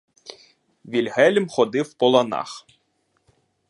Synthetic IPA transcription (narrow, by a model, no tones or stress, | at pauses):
ʋʲilʲɦɛlʲmxɔd̪ɪwpɔlˠɐnɑ̰x